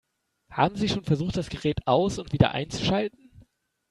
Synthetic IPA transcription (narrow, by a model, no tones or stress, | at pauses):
ha̰ːbm̩ziːʃoːnfɛɐzuːχt̚d̥asɡ̥əʁɛːtʔaʊsʊntv̥iːdɐ̰ʔa̰ɪnt͡su̥ʃaltn̩